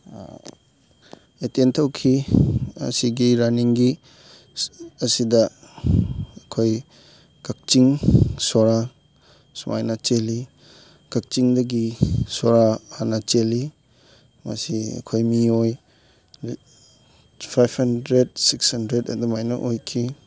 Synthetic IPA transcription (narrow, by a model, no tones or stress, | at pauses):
etentʰɐwkʰiɐ̰siɡiɾaniŋɡi | ɐsidɐ | ɐkʰoj | kak̚t͡ʃiŋsoɾa | suma̰jnat͡ʃeli | kɐk̚t͡ʃiŋdɐɡisoɾahanɐt͡ʃeli | mɐ̰siɐ̰kʰojmioj | pʰajbhɐndɾed̚sikshɐndɾedɐ̰dumajnɐ̰ʔojkʰi